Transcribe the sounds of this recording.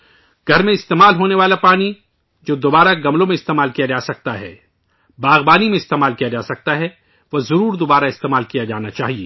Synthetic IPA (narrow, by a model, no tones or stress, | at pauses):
ɡ̥ʱɐɾmẽɪst̪eːmaːlɦoːneʋaːlapaːni | d͡ʒoːd̪oːbaːɾaɡɐmlõmẽɪst̪eːmaːlkijad͡ʒaːsɐk̚t̪aɦɛ̰ː | baːɣbaːnimẽɪst̪eːmaːlkijad͡ʒaːsɐk̚t̪aɦɛ | ʋozɐɾuːɾd̪oːbaːɾaɪst̪eːmaːlkijad͡ʒaːnat͡ʃaːɦiḛː